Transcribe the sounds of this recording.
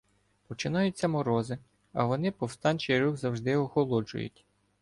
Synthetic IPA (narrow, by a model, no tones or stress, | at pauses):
pɔt͡ʃɪnɑjʊt͡sʲːɐmɔɾɔzɪ | ɐʋɔnɪpɔwst̪ɑnʲt͡ʃijɾuxzɐwʒd̪ɪɔxɔlˠɔd͡ʒʊ̰jʊ̰tʲ